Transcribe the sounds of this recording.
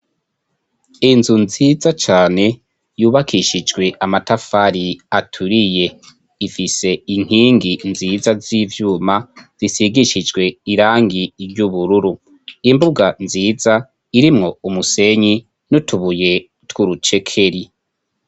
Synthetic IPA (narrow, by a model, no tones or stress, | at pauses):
inzunzizat͡ʃaːne̞ | juːβakʰiʃid͡ʒɡwe̞ʔamatafaɾiatʰuɾije̞ | ifise̞iŋ̥hiːŋɡinziːzaziːvjuːmaz̥isiɡiʃid͡ʒɡwe̞iɾaːŋɡiɾɟuβuɾuɾu | imbuɡanziːza | iɾimŋo̞umuse̞ɲi | nutʰuβuje̞ | twuɾut͡ʃe̞kʰe̞ɾi